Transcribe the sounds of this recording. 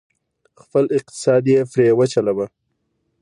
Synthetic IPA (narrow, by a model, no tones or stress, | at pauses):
xpəlɪq̚t̪ɪ̥sɑd̪jefɾewət͡ʃalaba